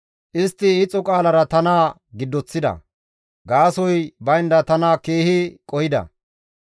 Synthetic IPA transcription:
ʔɪst̪ːɪːt͡sʼːɔkʼaːlɐɾɐt̪ɐnaː | ɡɪd̪ːɔt͡sːɪd̪ɐ̰ | ɡaːsɔjbɐjnd̪ɐt̪ɐnaːkeːhɪkʼɔhɪd̪ɐ̰

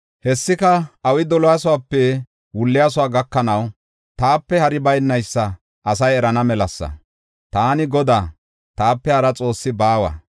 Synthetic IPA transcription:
hɛsːɪkɐɐwɪd̪ɔlɔjasʊwaːpːɛ | wʊlːɪjaːs̬ʊwaːɡɐkːɐnɐw | t̪aːpːɛhɐɾɪbɐjnːɐjsːɐ | ɐsɐjɛɾɐnɐmɛlɐsːɐ̰ | t̪aːnɪɡɔd̪aː | t̪aːpːɛhɐɾɐt͡sʼo̞ːsːɪbaːwɐ̰

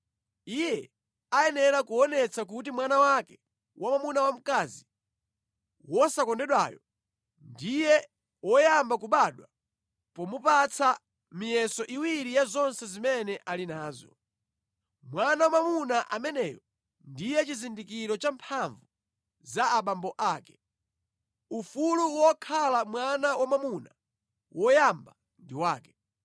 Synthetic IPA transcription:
ijɛ | aɛnɛɾakuɔnɛt͡sak̬utimwanawakɛ | wʔamamunawam̩kazi | wɔsakɔndɛɗwa̰ːjɔ | ndijɛ | wɔjambakuɓaɗwa | pɔmupat͡sʰa | mijɛsɔʔiwiɾijazɔnsɛzimɛnɛʔalinaːzɔ̰ | mwanawamamunaʔamɛnɛ̰ːjɔ | ndijɛt͡ʃizindikiɾɔt͡ʃampʰaɱvu | zaːɓambɔʔaːkɛ̥ | ufuluwɔkʰalamwanawamamuna | wʔɔjamba | ndiwaːkɛ̥

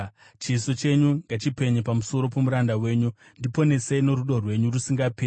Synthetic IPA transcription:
t͡ʃiso̞t͡ʃe̞ɲuŋɡat͡ʃipe̞ɲepamuso̞ɾo̞po̞muɾandawe̞ːɲu | ndipo̞ne̞seno̞ɾuɗo̞rwe̞ɲurusiŋɡapeː

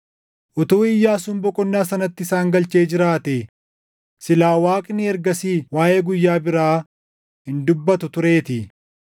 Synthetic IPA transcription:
ʔʊt̪uːɪjːaːsʊmbɔkʼɔnːaːsɐnɐt̪ːɪsaːŋɡɐlt͡ʃeːd͡ʒɪɾaːt̪e | sɪlaːwaːkʼnɪɛɾɡɐsiːwaːʔeːɡʊjːaːbɪɾaː | hɪnd̪ʊbːɐt̪ʊt̪ʊɾe̞ːt̪ɪ

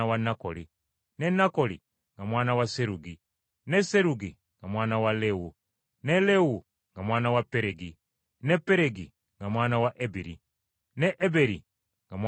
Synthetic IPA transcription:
wanako̰li | nenakoli | ŋɡamwaːnawaseɾuɡi | neseɾuɡi | ŋɡamwaːnawalewu | nelewu | ŋɡamwaːnawapeɾeɡi | nepeɾeɡi | ŋɡamwaːnawaʔebiɾi | neʔebeɾḭ | ŋɡamw

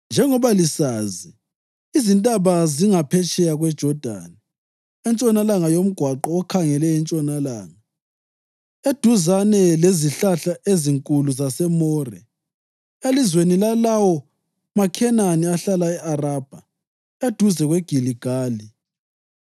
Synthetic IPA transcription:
nd͡ʒʱɛŋɔβalisaːzi | izintʼaβaziŋapʰɛt͡ʃʼɛjaɣwɛd̥ʒ̥ʱɔd̥ʱa̰ːnɛ | ɛnt͡ʃʼɔnalaŋajom̩ɡ̥ʱwaǃɔːkʰaŋɛlɛɛnt͡ʃʼɔnalaːŋa | ed̥ʱuzanɛleziɬaɬaʔeziŋkʼuluzasɛmɔːrɛ | elizwenilalawɔ | makʰɛnaniaɬalaɛʔarab̥ʱa | ed̥ʱuzɛɣwɛɡ̥ʱiliɡ̥ʱaːli

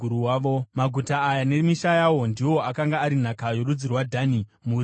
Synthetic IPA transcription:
uɾuwaːomaɡʱutaːjane̞miʃajawo̞ndiwo̞akaŋɡaːɾin̤akajo̞ɾud͡zirwadʱanimur

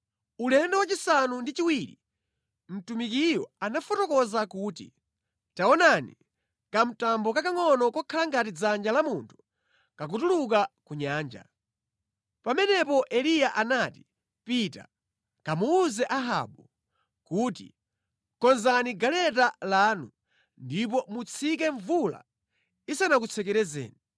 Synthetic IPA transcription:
ulɛndɛwat͡ʃisanundit͡ʃiwiɾḭ | m̩tumikijɔanafɔtɔkɔzakuːtḭ | taɔnanḭ | kam̩tambɔkakaŋɔnɔkɔkʰalaŋɡatid͡zand͡ʒalamuntʰu̥ | kak̬utuluk̬akuɲaːnd͡ʒa̰ | pamɛnɛpɔʔɛlijaʔanati̥ | pita̰ | kamuːzɛʔaɦa̰ɓu | kuːtḭ | kɔnzaniɡalɛt̬alaːnu | ndip̬ɔmut͡sʰikɛɱvula̰ | isanakut͡sʰɛkɛɾɛzɛ̰ːni

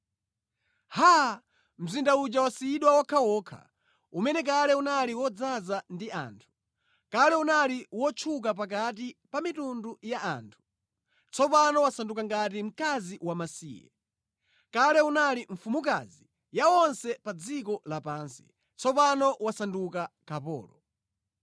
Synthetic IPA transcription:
ha | m̩zindaut͡ʃawasiɗwawakʰawɔːkʰa̰ | umɛnɛk̬alɛunaliwɔd͡zazandia̰ːntʰu̥ | kalɛunaliwɔt͡ʃʰuk̬ap̬ak̬at̬ipamitundujaa̰ːntʰu̥ | t͡sʰɔpanɔwasandukaŋɡat̬im̩kaziwamasiːjɛ̰ | kalɛunaliɱ̩fumuka̰zi | jawɔnsɛpad͡zikɔlapaːnsi̥̰ | t͡sʰɔpanɔwasandukakapɔ̰ːlɔ

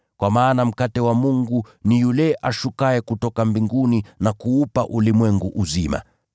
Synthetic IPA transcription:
kwamaːnam̩katɛwamuŋɡu | nijulɛʔaʃukaɛkutɔkambiŋɡuninakuupaʔulimwɛŋɡuʔuzima̰

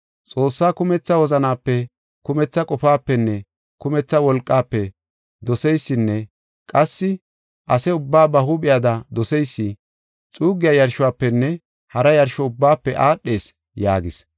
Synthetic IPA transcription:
t͡sʼo̞ːsːaːkʊmɛt͡sːɐwɔzɐnaːpːɛ | kʊmɛt͡sːɐkʼɔfaːpːɛnːɛ | kʊmɛt͡sːɐwɔlkʼːaːpːɛ | d̪ɔsɛjsːɪnːɛ | kʼɐsːɪ | ʔɐsɛʊbːaːbɐhʊɓɪjad̪ɐd̪ɔsɛjsːɪ | t͡sʼuːɡɪjajɐɾʃʊwaːpːɛnːɛ | hɐɾɐjɐɾʃɔʊbːaːpːɛʔaːɗːe̞ːs | ja̰ːɡɪs

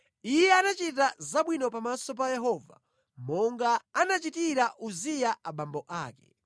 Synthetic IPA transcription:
ijɛanat͡ʃit̬azaɓwinɔpamasɔp̬ajɛɦɔva̰ | mɔŋɡaanat͡ʃitiɾaʔuzijaʔaɓambɔʔaːkɛ̰

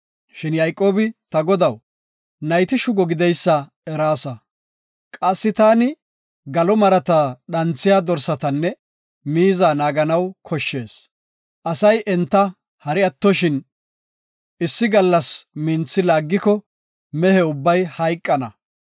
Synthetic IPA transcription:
ʃɪnjɐjkʼo̞ːbɪt̪ɐɡɔd̪ɐw | nɐjt̪ɪʃʊɡɔɡɪd̪ɛjsːɐ | ɛɾaːsɐ | kʼɐsːɪt̪aːnɪ | ɡɐlɔmɐɾɐt̪aɗɐnt͡sːɪjaːd̪ɔɾsɐt̪ɐnːɛ | miːzaːnaːɡɐnɐwkʰɔʃːe̞ːs | ʔɐsɐjʔɛnt̪ːɐ | hɐɾɪɐt̪ːɔʃɪn | ɪsːɪɡɐlːɐsmɪnt͡sːɪlaːɡːɪkɔ | mɛhɛʊbːɐjhɐjkʼːɐnɐ̰

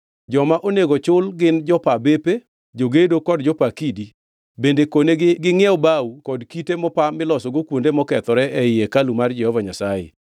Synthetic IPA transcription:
d͡ʒɔmaʔoneɡot͡ʃʊlɡɪnd͡ʒɔpabepe | d͡ʒoɡedokɔd̚d͡ʒɔpakidi | bendekoneɡɡɪŋɛɔbaukɔdkitemɔpamɪlɔsɔɡokwondemɔkɛt̪ɔɾɛʔɛɪekalumard͡ʒɛhɔvaɲasajḛ

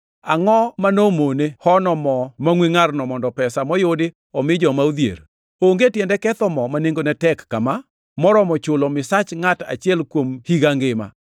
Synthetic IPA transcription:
aŋɔmanomonehɔnɔmɔmaŋwiŋarnɔmɔndɔpɛsamɔjodɪ | ɔmɪd͡ʒɔmaud̪jḛɾ | oŋɡetjɛndɛkɛt̪ɔmɔmaneŋɡonɛtɛkːama | mɔɾɔmɔt͡ʃʊlɔmɪsat͡ʃŋata̰t͡ʃɪɛlkwomhiɡaŋɡɪma̰

